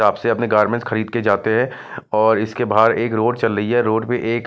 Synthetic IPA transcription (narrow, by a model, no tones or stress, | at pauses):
aːbseɐpneɡaːɾmẽɳʈsxɐɾiːd̪̚ked͡ʒaːt̪eɦɛ̃ | ɔːɾɪskebʱaːɾeːkɾoːɖt͡ʃɐlːɐɦiɦɛɾoːɖbiʔeːk